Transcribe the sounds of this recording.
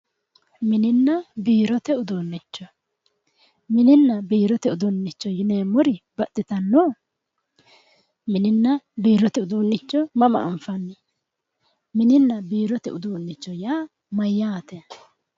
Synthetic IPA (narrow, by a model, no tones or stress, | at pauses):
mɪnɪnːɐbiːɾɔt̪ɛʊd̪uːnːɪt͡ʃːɔ | mɪnɪnːɐbiːɾɔt̪ɛʊd̪ʊnːɪt͡ʃːɔjɪneːmʊɾɪbɐt̪ːɪt̪ɐnːoː | mɪnɪnːɐbiːɾɔt̪ɛʊd̪uːnːɪt͡ʃːɔmɐmɐ̰ʔɐɱfɐnːɪ | mɪnɪnːɐbiːɾɔt̪ɛ̰ʊd̪uːnːɪt͡ʃːɔjaː | mɐjːaːt̪ɛ